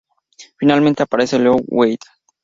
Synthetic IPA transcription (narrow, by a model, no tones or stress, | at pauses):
finalmẽnt̪eapaɾeselowejt̪